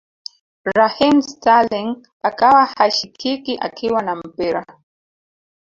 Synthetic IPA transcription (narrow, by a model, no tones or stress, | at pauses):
ɾahimstaliŋ | akawahaʃikʰikiʔa̰kʰiwanam̩piɾa̰